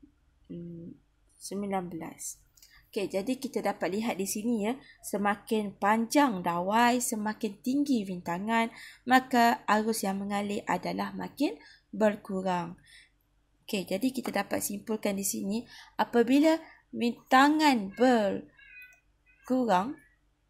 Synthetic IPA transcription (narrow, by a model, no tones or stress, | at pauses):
səmĩlanbəla̰s | oked͡ʒadikit̪adapat̪̚liɦat̪̚disinijasəmakɪnpaɲd͡ʒaŋdawajsəmãkɪnt̪iŋɡiwint̪aŋãnmakaaɾʊsjaŋmə̃ŋalɪʔadalahma̰kɪn | bəlkuɾaŋ | oked͡ʒadikit̪adapat̪̚simpulkandisinĩapabila | bint̪aŋãnbəl | kuɾaŋ